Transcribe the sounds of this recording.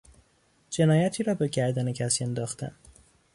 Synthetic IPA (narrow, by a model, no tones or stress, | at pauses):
d͡ʒe̞nɒːjæt̪ʰiːɾɒːbe̞ɟæɾd̪ænecʰæsiːend̪ɒːxt̪ʰæ̰n